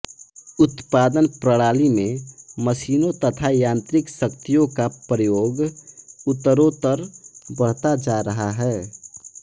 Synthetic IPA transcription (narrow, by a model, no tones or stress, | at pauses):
ʊt̪paːd̪ənpɾəɽaːlimẽməsiːnõt̪ət̪ʰajãːnt̪ɾɪksəkt̪ijõkapɾəjoːɡʊt̪ːəɾot̪əɾbəɽt̪ad͡ʒaːɾəɦaɦɛː